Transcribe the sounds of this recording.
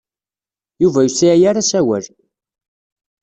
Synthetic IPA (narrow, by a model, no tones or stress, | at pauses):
juvæjusiæjaɾasæwæl